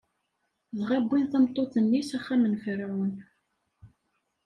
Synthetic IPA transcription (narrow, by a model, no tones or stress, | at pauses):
ðʁæbːinθəmt̪ˤːoθənːisæχːæmənfəɾʕʊn